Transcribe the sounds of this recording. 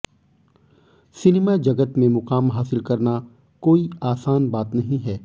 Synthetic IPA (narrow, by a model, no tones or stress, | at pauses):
sɪnemad͡ʒɐɡət̪mẽmʊqaːmɦaːsɪlkɐɾna | koːiaːsaːnbaːt̪nɐɦĩɦɛː